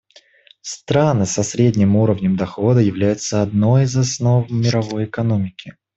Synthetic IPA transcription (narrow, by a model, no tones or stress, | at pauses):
st̪ɾanɨsɐsɾʲedʲnʲɪmuɾəvnʲəmd̪ɐxo̞d̪əjɪvlʲæjʊt̪səɐd̪no̞jizɐsno̞vmʲɪɾɐvo̞jɪkɐno̞mʲɪkʲɪ